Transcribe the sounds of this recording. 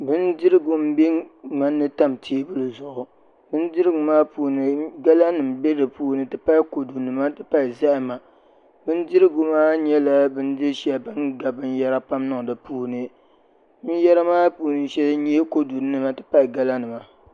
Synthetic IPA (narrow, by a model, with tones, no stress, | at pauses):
bɨ˦ndɪ˦ɾɨ˦ɡʊ˨m̩˦be˦ŋa˦nːɨ˦ta˦mtʰiː˦bɨ˦lɨ˨zʊ˨ʔʊ˨ | bɨ˦ndɨ˦ɾɨ˦ɡʊ˨maː˦puː˦nɨ˨ɡa˦la˦nɨ˨m˨bɛ˦dɨ˨puː˦nɨ˨tɨ˦pa˦ko˨du˨nɨ˨ma˦tɨ˦pa˦ɪ˨za˦ʔɪ˦ma˨ | bɨ˦ndɨ˦ɾɨ˦ɡʊ˨maː˦ɲɛ˦la˦bɨ˦ndɨ˦ʃɛ˦bɨ˦nɡa˨bɨ˦n˦jɛ˦ɾa˦pa˦mnɨ˨dɨ˨puː˦nɨ˦ | bɨ˦n˦jɛ˦ɾa˦maː˦puː˦nɨ˦ʃɛ˦lɲ˦ɛ˦ko˦du˨nɨ˦ma˨tɨ˦pa˦˨ɡa˦la˦nɨ˨ma˨